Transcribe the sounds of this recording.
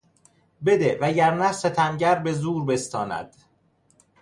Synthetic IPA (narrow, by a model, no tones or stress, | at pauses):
be̞d̪evæɟæɾnæset̪ʰænɟæɾbe̞zuːɾbe̞st̪ɒːnæ̰d̪̥